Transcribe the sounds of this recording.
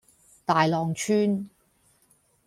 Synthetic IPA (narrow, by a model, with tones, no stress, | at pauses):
t̪aː˨jlɔː˨ŋt͡ʃʰyː˥n